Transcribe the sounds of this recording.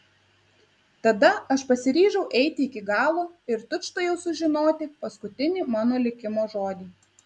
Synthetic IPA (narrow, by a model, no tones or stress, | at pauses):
t̪ɐd̪ɐɐʃpɐsʲɪɾʲiːʒɛʊʔɛɪt̪ʲɪɪkʲɪɡɑːlˠoːɪɾt̪ʊʃt̪ɐjɛʊsʊʒʲɪnoːt̪ʲɪpɐskʊt̪ʲɪnʲiːmɑːnoːlʲɪkʲɪmoːʒoːd̪ʲiː